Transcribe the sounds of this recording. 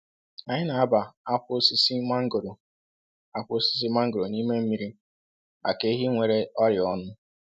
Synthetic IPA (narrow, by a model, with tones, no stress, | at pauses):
a˨ɲɪ˦na˨a˦ba˨a˦kʊ˦si˦si˦ma˦ŋ̩˦ɡo˨ɾo˨ | a˦kʷʊ˦o˦si̥˦s̬i˦ma˦ŋ̩˦ɡo˨ɾo˨niː˦me˦m̩˦mi˦ɾi˦ | a̰˨ke˦ɦi˦ŋʷe˨ɾe˦ɔ˦ɾɪ˨ɔ˦nʊ˦